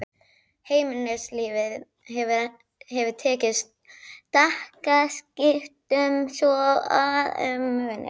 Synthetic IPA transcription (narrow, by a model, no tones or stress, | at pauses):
heːjmɪnɛɾsliːvɪð | hɛv | hɛvʏt̪ʰɛːcɪst̪̚ | t̪ahkascɪft̪ʏmsɔa̰ð̰mvɛnːɪ̰